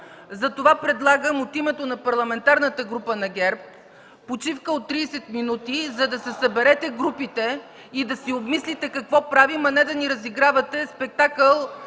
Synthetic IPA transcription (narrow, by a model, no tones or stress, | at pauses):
zɐt̪ovapɾɛd̪lˠaɡəmot̪imɛt̪onɐpɐɾlˠɐmɛnt̪aɾnət̪əɡɾupənɐɡʲɛɾp̚ː | ot͡ʃifkəot̪ːɾiːsɛt̪minut̪izɐd̪ɐsɛsɐbɛɾɛt̪ɛɡɾupit̪ɛ | id̪ɐsiobmislit̪ɛkɐkvɔpɾavimɐnɛd̪ɐniɾɐziɡɾavɐt̪ɛspɛk̚t̪akəlˠ